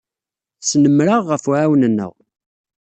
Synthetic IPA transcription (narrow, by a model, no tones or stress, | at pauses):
snəmːɾəʁːəfʕawnənːə̰ʁ